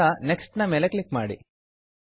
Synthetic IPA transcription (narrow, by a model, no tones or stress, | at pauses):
ɐneksʈnɐmeːleklikmaːɽḭ